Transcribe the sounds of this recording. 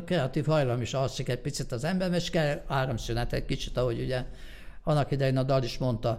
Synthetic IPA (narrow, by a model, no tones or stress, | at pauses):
krɛɒt̪iːfhɒjlɒmiʃɒsʃikɛrpit̪sit̪ɒzɛmbɛrmɛʃkɛlaːɾomsynɛt̪ɛt̪̚ʲkit͡ʃit̪ɒɦo̞ɟuɟɛ | ɒnːɒkid̪ɛjinɒd̪ɒliʃmo̞nt̪ɒ